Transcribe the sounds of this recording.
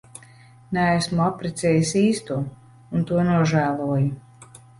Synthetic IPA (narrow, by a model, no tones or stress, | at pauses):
nææsmuapɾɛt̪sɛːjisiːst̪uɔ | unt̪uɔnuɔʒæːlˠuɔju